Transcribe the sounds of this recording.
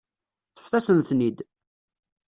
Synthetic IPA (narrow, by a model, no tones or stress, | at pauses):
θə̥fθæsənθnid̪